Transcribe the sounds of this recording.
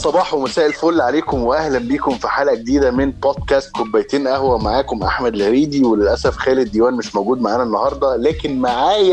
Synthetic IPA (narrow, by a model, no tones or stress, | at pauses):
sˤɑbɑːħwemæsæːʔelfoːlːʕaleːkomweʔæhlæmbiːkomfiħaːlæɡed̪iːd̪æmenboːd̪kæːst̪̚kobːæjt̪iːnʔæhwæmaʕaːkomʔa̰ħmæd̪lɾiːd̪iwelelʔæsæfxæːled̪ːiːwæːnmɪʃmowɡuːd̪maʕaːnænːɑhɑɾˤd̪ˤɑlæːkenmaʕaːjæ